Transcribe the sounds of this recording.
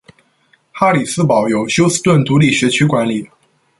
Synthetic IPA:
xa˥li˨˩sɹ̩˥pɑ˨˩˦ʊjo˨˩ʊɕjo˥ʊsɹ̩˥t̪wə˥˩nt̪u˧˥li˥˩ɕɥɛ˧˥t͡ɕʰy˥kwa˧˥nli˨˩˦

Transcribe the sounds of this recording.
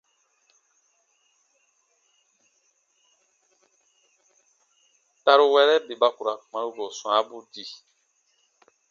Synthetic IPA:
ta˦ɾu˦wɛ˦ɾɛ˦be˨ba˦ku˨ɾa˨mã˨ɾu˦ɡo˨sũ˨ã˨˦bu˦di˨

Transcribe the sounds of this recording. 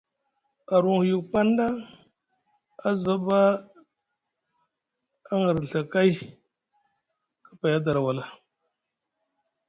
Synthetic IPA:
a˨ɾu˨ŋhju˨k̚k͡pa˦n˦da˦ | a˦zə˨˦ba˦ | a˦ŋə˨ɾɬə˨ka˦j | kə̥˦pa˨ja˦da˨ɾa˨wa˨la˨

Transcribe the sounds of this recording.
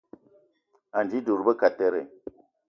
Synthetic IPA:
a˨nd͡ʒi˦du˨ɾbə˦ka˨te˦ɾḛ˨

